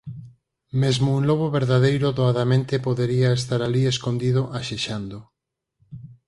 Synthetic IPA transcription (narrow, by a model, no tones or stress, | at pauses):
mezmouŋloβoβeɾðaðejɾʊðoaðamẽnt̪epoðeɾiaes̬t̪aɾalieskond̪iðoʔaʃeʃand̪o